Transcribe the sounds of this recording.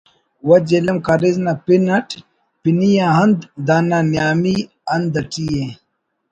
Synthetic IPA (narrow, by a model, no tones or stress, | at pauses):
wɐd͡ʑelɐmkɐɾiznapinɐʈ | pinijãɦɐnd̪d̪ananjaːmi | ɐnd̪ɐʈije